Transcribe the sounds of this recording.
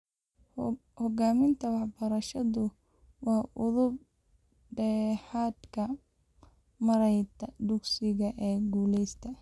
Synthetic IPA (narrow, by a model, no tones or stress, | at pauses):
hɔɡaːmɪnt̪ʰɐwɑħbɐɾɐʃɐðʊ | wɑːʔʊðʊb̚ | ɖɛːħaːd̪kʰɐ | mɐɾɛjt̪ʰɐd̪ʊɡsɪɣɐʔɛːɡuːlɛjst̪ʰɐ